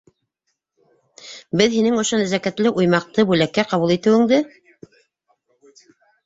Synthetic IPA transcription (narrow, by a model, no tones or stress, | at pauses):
bɘðinɘŋŏʃonæzækæt̪lɘʔujmɑq̚t̪ɤbʉlækːæqɑβulˠit̪ɘ̆wɘ̆ŋd̪ɘ